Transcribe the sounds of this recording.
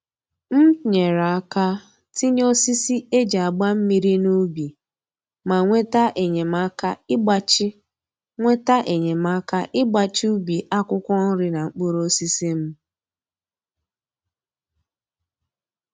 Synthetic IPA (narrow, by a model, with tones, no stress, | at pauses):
m̩˦ɲe˨ɾa˨˦ka˦ | ti˦ɲ˦o˦si˦si˦e˦d͡ʒa˨a˨ɡ͡ba˦m̩˦mi˨ɾi˦nu˦bi˨ | ma˨ŋʷe˦ta˦ʔe˨ɲe˨m˦a˦ka˦ɪ˦ɡ͡ba˨t͡ʃɪ˦ | ŋʷe˦ta˦ʔe˨ɲe˨ma˦ka˦ʔɪ˦ɡ͡ba˨t͡ʃi˦u˦bi˨ʔa˦kʊ˦kʷɔ˦n̩˦ɾɪ˦na˨ŋ͡m̩˨k͡po˦ɾo˦si˦si˦m̩˦